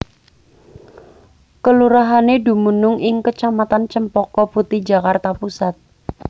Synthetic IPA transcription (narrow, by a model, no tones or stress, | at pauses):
kəluɾaɦanedṳmunʊŋɪŋkət͡ʃamat̪ant͡ʃəmpɔkɔput̪id͡ʒa̤kart̪apusat̪̚